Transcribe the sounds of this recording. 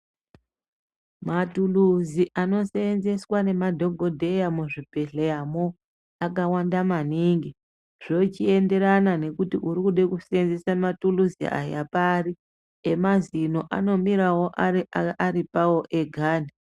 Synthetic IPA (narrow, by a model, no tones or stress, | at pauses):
matuluziʔano̞senze̞swane̞madʱo̞ɡʱo̞dʱe̞jamuʐibʱe̞ɬejamo | akawandamaniːŋɡi | ʐ̥ot͡ʃie̞nde̞ɾanane̞kutiʔuɾikuɗekuseenzesamatuluzḭa̰ja̰pari | emazino̞ʔa̰no̞miɾawoʔaaɾipawo̞ʔe̞ɡʱaːna